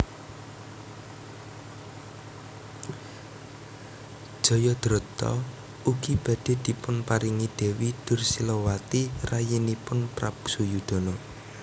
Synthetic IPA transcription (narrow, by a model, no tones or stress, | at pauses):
d̥ʒ̥ɔ̤jɔd̪̥ɾɔt̪ɔ̰ | uɡ̥ib̥ä̤d̪̥e̤d̪̥i̤pʊnpaɾiŋid̪̥e̤wid̪̥ʊ̤rsilowat̪irajinipʊnpɾapsujud̪̥o̤nɔ